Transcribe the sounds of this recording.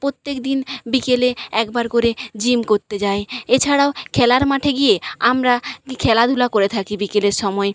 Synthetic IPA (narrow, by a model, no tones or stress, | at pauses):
pɾot̪ːekd̪inbikeleɛkbaɾkoɾed͡ʑimkoɾt̪ed͡ʑaeet͡ɕʰaɽaokʰɛlaɾmaʈʰeɡijeamɾakʰɛlad̪ʱulakoɾet̪ʰakibikeleɾʃɔmɔe